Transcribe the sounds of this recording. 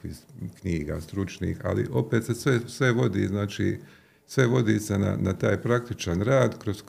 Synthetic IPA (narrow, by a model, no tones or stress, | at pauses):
ikɲiːɡa̰st̪ɾut͡ʃnḭːxa̰lḭʔo̞pet̪sesʋesʋe̞ʋo̞d̪ḭznaːt͡ʃiː | sʋe̞ʋo̞d̪isena̰nat̪aːjpɾak̚t̪it͡ʃanɾaːd̪kɾos